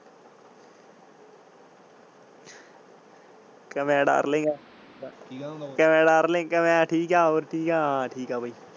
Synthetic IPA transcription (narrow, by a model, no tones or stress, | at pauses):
kəmɛ̃ːɖa̰ːɾlẽːŋɡaː | kəmɛ̃ːɖaːɾlẽːŋkəmɛ̃ːʈʰiːkaːoːɾʈʰiːkaːʈʰiːkaːbʱaiː